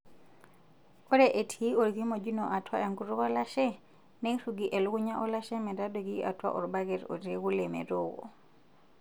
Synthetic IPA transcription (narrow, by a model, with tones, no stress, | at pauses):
ɔ˦ɾɛʔe˨tʰi˦ɔ˨ɾɣi˦mɔ˨d͡ʒu˦nɔ˨ʔa˨twa˦e˨ŋɡu˨˦ɾɔ˦ɣɔ˦la˦ʃɛ˦ | nɛ˦i˦ɾuɡi˨ʔɛ˨lu˦ɣu˦ɲa˦ʔɔ˦la˦ʃɛ˦mɛ˨da˦dɔ˨ɣi˦ʔa̰˨twa̰˦ʔɔ˨ɾba˦ɣɛ˨ɾɔ̰˨ɾeɣu˦lɛmɛ̰ɾɔɣɔ̰˨